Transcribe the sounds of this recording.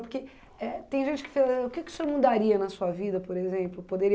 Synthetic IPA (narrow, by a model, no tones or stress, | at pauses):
poɾke | ɛt̪ẽj̃ʒẽnt͡ʃɪ̥kɪ̥feʊkɪkɪ̥semud̪aɾiɐnɐsuɐvid̪ɐpoɾezẽmplʊpod̪eɾi